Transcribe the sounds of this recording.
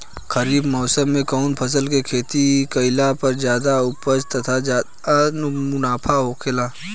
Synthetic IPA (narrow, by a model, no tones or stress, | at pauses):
kɐɾiːbmɔːsəmːẽkɐʊnpʰɐs̬əlkekʰeːt̪ikɐɪlapɐɾzjaːd̪aʊpəd͡ʒt̪ɐt̪ʰad͡ʒaː | anmʊnaːpʰaɦoːkʰɪlaː